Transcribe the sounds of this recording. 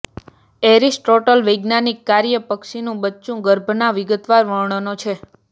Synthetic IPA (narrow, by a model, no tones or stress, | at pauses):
eɾisʈoʈəlʋəjɡnanikːaɾjəpəkʃinũbətːt͡ʃũɡəɾbʱnaʋiɡət̪ʋaɾʋəɭɳnot͡ʃʰe